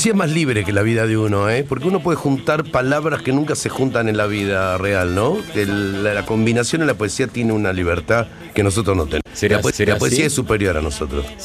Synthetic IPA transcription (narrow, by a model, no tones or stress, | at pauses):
siaeɦmazliβɾekelaβiðaðeunoepoɾk̬euno̞p̬we̞ðexunt̪aɾpalaβɾaskenũŋkase̞xunt̪anẽ̞nlaβ̞iðarealnõellako̞mbinasjonelapoesiat̪jeneunaliβeɾt̪a | keno̞s̬o̞t̪ɾosnot̪eaposlap̬oesiaesːupe̞ɾjo̞ɾa̰noso̞t̪ɾos